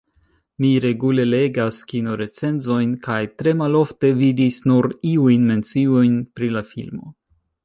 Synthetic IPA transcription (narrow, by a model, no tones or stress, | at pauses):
miɾe̞ɡule̞le̞ɡaskinoɾe̞t͡se̞nzo̞jnkʰajtɾe̞malo̞fte̞vidisnuɾiujnme̞nt͡siojnpɾilafḭlmo̞̰